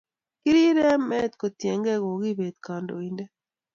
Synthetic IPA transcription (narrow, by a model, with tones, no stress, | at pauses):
ki˦ɾi˦ɾɛ˦mɛ˦t̪ko˨t̪je˨ŋɡɛ˦ɣo˨ɣi˦be˨t̪̚ka˨ndo˨i˨nde˦